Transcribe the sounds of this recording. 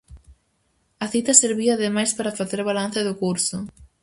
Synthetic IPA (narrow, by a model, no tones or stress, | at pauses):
ɐθit̪ɐseɾβiɐːðemajspaɾɐfaθeɾβalan̟θɐðʊkuɾsʊ